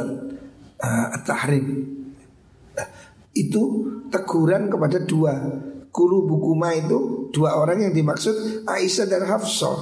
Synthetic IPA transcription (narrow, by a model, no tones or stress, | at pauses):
əət̪ːahɾɪp̚ | ʔit̪ut̪əɡ̥uɾankəpadaduakuɾubukumait̪ud̥uaoɾaŋjaŋdimaksʊt̪̚ʔaʔisadanɦafsɔ̰